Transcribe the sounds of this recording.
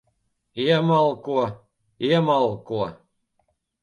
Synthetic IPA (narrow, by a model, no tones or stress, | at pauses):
emɑlˠko | emɑlˠko